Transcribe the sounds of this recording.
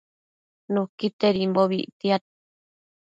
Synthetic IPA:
nũkit̪eɾimboβḭʔt̪iat̪̚

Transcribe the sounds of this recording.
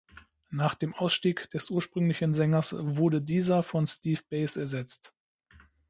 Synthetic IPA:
naːχd̥eːmʔaʊsʃtiːkd̥ɛsʔuːɐʃpʁ̥ʏŋlɪçnzɛŋɐsvʊɐdədiːzɐfɔnstiːfb̥eɪsɛɐzɛt͡st

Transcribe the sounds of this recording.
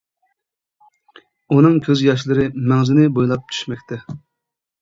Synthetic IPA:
unɨŋkʲʰøzjɑʃ̬lˠɨɾɨmɛŋzɪnɪbojlˠɑp̚t͡ʃʰy̥ʃmɛkʲt̪ʰɛ

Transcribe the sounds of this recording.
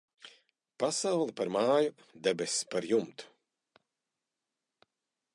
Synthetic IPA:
pasawlˠipaɾmaːju | d̪ɛbespaɾjumt̪u̥

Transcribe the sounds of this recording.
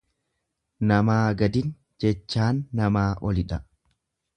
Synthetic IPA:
nɐmaːɡɐd̪ɪn | d͡ʒɛt͡ʃːaːnːɐmaːʔɔlɪᶑɐ

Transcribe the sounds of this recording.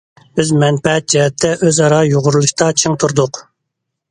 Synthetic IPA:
øzmɛnpɛt̪̚d͡ʒɛɦɛt̪ʰːɛʔøzɑɾɑjoʁʊɾulˠuʃt̪ɑt͡ʃʰiŋt̪ʰuɾd̪ʊq

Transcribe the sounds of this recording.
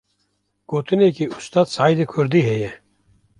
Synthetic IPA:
ɡ̥oːt̪ɨnekiust̪ɑːd̪saːjd̪ekʰʊɾd̪iɦɛjɛ

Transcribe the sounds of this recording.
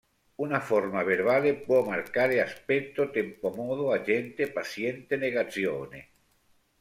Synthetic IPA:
unafoɾmaβeɾβalepwomaɾkaɾeaspekt̪ot̪empomoð̞oaʒent̪epasjent̪eneɣaθjonḛ

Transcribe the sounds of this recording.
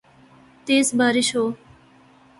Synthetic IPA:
t̪eːsbaːɾiʃoː

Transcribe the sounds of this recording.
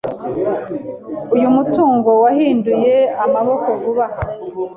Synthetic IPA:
ujumutuːŋɡowaɦiːnduje̞amaβo̞ko̞vuβaha

